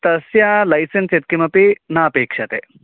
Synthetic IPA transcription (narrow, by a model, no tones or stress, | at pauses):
t̪ɐsjɐlɐjsenset̪̚kimɐpinaɐpeːkʂɐt̪ḛ